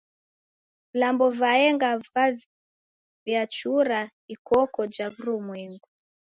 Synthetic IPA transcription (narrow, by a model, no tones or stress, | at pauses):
vlambɔvaɛŋɡava | vjat͡ʃuɾa | ikɔkɔd͡ʒaβuɾumwɛŋɡu